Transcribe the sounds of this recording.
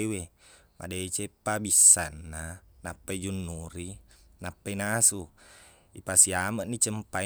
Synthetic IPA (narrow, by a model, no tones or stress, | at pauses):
wema̰det͡ʃepːabisːanːanapːaid͡ʒunːuɾinapːainasu | ipasiamaʔnit͡ʃəmpa